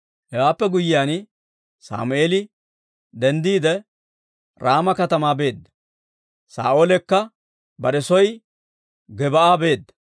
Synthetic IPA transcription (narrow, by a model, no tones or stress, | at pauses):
hɛwaːpːɛɡʊjɪjaːn | sa̰ːmʊʔeːlɪ | d̪ɛnd̪iːd̪ɛ | ɾaːmɐkɐt̪ɐmaːbe̞ːd̪ːɐ | sa̰ːʔoːlɛkːɐ | bɐɗɛsɔj | ɡɛbɐaːbe̞ːd̪ːɐ̥